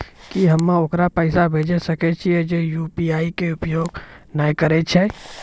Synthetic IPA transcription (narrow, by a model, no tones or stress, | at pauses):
kiɦɐmːãokɾapəɪsabʱeːd͡ʒesəket͡ʃʰiɛd͡ʒejuːpiaːikeʊpjoːɡnajkəɾet͡ʃʰɛ